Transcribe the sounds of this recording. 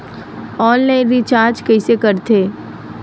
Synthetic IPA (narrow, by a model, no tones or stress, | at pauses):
ɔːnlaɪ̃nɾit͡ʃaːɾd͡ʒkɐɪsekəɾt̪ʰeː